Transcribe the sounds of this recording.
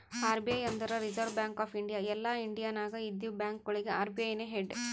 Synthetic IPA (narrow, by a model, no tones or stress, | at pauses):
aːɾbijɐjɐnd̪ɐɾɐɾid͡ʒɐɾʋbjaːŋkaːpʰiɳɖijaɛlːaːiɳɖijaːnaːɡɐid̪ibjaːŋkɡɐɭiɡeaːɾbijɐjneːɦeɖ